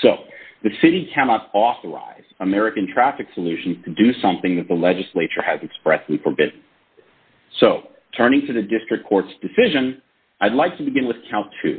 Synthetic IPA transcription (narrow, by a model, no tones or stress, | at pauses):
soʊðɨsɪɾikʰænɑɾɔθə˞a̰ɪz̥əmɛɹɨkɨ̃ntʰɹ̥æfɨksəlʉʃn̩z̥tʰɨdɨsʌ̃mθɪ̃ŋðɨt̪̚ðəlɛd͡ʒɨsleɪt͡ʃə˞ɨzɨkspɹɛsˡlifə˞bɪdⁿn̩ | soʊ | tʰɜ̃˞ñɪ̃ŋtʰɨðɨdɪstɹ̥ɨkʰɔɹtsd̥ɨsɪʒɨ̃n | ʔaɪdˡlaɪk̚tʰɨbɨɡɪ̃nwɨð̥kʰãʊ̃ntʰʉ̰